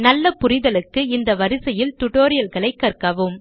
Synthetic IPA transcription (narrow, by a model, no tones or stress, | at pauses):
nɐlːɐpʊrɪðɐlɯkːɯɪnd̪ɐʋɐɾɪsɐjɪlt̪ʊʈoːɾɪjɐlkɐɭɐɪkːɐrkɐʋɯm